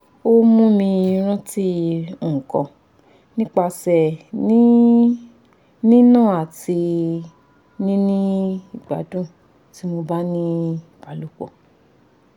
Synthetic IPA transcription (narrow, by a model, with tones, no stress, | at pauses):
o˦mũ˦mĩ˧ɾ̃ã˦ti˦u˨kɔ̰̃˨ | nĩ˦k͡pa˧sɛ˨nĩ˦ | nĩ˦nãː˦˨a˨ti˧ | nĩ˦nĩ˦i˦˨ɡ͡ba̰˨˦dũ˦˨ | ti˦mo˧ba˦nĩ˦i˨b̥a˨˦lu˦˨k͡pɔ̰˨